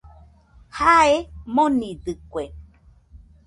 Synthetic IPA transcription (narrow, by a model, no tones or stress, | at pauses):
haemõnĩdɨkʷwe